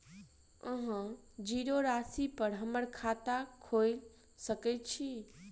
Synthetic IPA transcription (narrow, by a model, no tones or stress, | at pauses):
ə̃ɦã | d͡ʒiɾoɾasipəɾɦəməɾkʰat̪akʰojl | səkɛt̪̚t͡ʃʰi